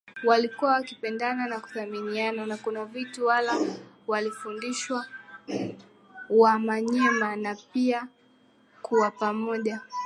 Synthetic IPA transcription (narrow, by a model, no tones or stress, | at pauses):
walikuwawakipɛndananaku̥θaminiananakunavituwala | walifundiʃwa | wamaɲɛmanapia | kʰuwapamɔʄa